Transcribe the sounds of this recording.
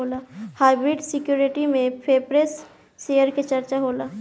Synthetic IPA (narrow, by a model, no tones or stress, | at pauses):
oːlaːhaːɪbɾɪɖsɪkjuːɾɪʈimẽpʰeːpɾesː | ejəɾket͡ʃɐɾt͡ʃaɦoːlaː